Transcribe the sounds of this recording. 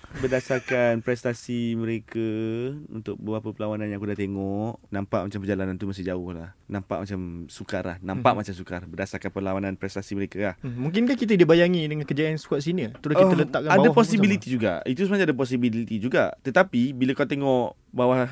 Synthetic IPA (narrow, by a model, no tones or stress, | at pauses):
bərdasarkanpɾɛst̪asimə̃ɾekəṵnt̪ʊk̚bəbɾapəpəlawanãnjãŋkudat̪eŋɔʔnãmpaʔmat͡ʃampərd͡ʒalanant̪umas̬ɪd͡ʒaʊhla̰hnãmpa̰ʔmat͡ʃamsukarla̰hnãmpaʔmat͡ʃamsukarbərdasarkanpəlawananpɾɛst̪asiməɾekalahmũŋkɪnkahkit̪̬ədibajaŋidəŋankəd͡ʒaansə̥kuas̬init̪əɾʊkit̪ələt̪aʔkaabadawapɔsibilit̪id͡ʒuɡa̰it̪usəmənaɲadap̬ɔs̬ibilit̪id͡ʒuɡat̪ət̪apibiləkalat̪eŋɔʔ | bawa